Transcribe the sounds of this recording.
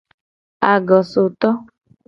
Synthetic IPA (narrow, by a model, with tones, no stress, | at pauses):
a˨ɡɔ˨so˨t̪ɔ˦